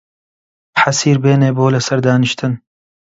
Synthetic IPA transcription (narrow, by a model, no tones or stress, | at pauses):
bħasiːɾbeːneːboːlɐsɐɾd̪aːnɨʃt̪ʰɨn